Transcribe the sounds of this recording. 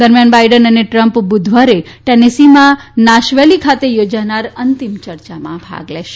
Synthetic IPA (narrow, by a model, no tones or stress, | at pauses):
d̪əɾmjanbaiɖənəneʈɾəmpbʊd̪ʱʋaɾe | ʈenesimãnaʃʋelikʰat̪ejod͡ʒanaɾənt̪imt͡ʃəɾt͡ʃamã̰bʱa̰ɡleʃe̥